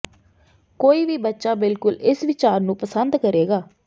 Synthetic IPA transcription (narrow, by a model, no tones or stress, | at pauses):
koːiːʋiːbətːʃaːbɪlkʊlɪsʋɪt͡ʃaːɾnũːpəsənd̪kəɾeːɡaː